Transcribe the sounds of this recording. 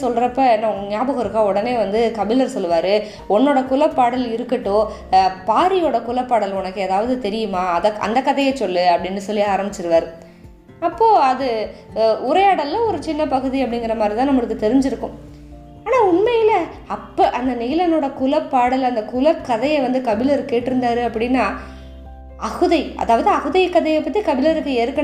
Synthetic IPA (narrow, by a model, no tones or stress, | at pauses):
sɔlːɾɐpːɐɛnːɐɲjaːbɐɣɐɾɯkːaːɔɽɐneːʋɐnd̪ɯkɐbɪlɐɾsɔlːɯʋaːɾɯ | ɔnːoːɽɐkʊlɐpːaːɽɐlɪɾɯkːɐʈːoː | paːɾɪjoːɽɐkʊlɐpːaːɽɐlɔnɐkːɯɐðaːʋɐðɯt̪ɛɾɪjɯmaːɐðɐɐ̰nd̪ɐkːɐðɐjɐt͡ʃɔlːɯɐpːɐɽɪnːɯsɔlːɪjaaːɾɐmbɪt͡ʃːɪɾɯʋaːɾɯ | ɐpːoːɐðɯ | ʊɾɐjaːɽɐlːɐɔɾɯt͡ʃɪnːɐpɐɣɯðiɐpːɐɽɪŋɡɪɾɐmaːd̪ɾit̪ãːnɐmːɐɭɯkːɯt̪ɛɾɪɲd͡ʒɪɾɯkːʊ̃ | aːnaːʊɳmɐjɪlɐɐpːɐʔɐnd̪ɐnɪːlɐnoːɽɐkʊlɐpːaːɽɐlɐnd̪ɐkʊlɐkːɐðɐjɐʋɐnd̪ɯkɐbɪlɐɾkeːʈːɪɾɯnd̪aːɾɯɐpːɐɽɪnːaː | ɐɣɯðɐɪʔɐ̰ðaːʋɐðɯɐɣɯðɐjkːɐðɐjɛpːɐt̪ːikɐbɪlɐɾɯkːɯeːɾɯkːɐ